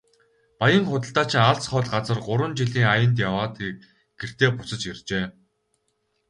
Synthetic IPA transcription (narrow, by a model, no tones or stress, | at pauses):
pajə̆ŋχʊt̪ə̆ɬt̪aːt͡ɕʰɪ̆ŋaɮsχɔːɮɢat͡sə̆rɢʊɾwə̆nt͡ɕiɮiːŋajə̆nt̪̬jawaːt̪ː | ɡ̥er̥t̪eːpʊsə̆t͡ɕirt͡ɕeː